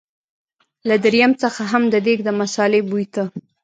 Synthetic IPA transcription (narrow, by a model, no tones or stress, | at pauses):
lad̪aɾijamt͡səxaɦamd̪əd̪eɡd̪əmasɑlebujt̪ə